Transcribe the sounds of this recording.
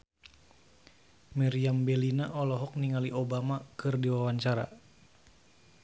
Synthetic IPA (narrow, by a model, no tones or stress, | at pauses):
mɛɾiambɛlinaʔɔlɔɦɔk̚niŋaliʔobamakɨrdiwawaɲt͡ʃaɾa̰